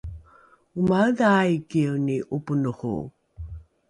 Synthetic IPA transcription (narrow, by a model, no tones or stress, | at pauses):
umaðaikiwniʔupunoʁṵ